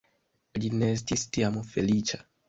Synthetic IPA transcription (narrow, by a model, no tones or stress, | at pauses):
adinɛst̪istiamufelit͡ʃḁ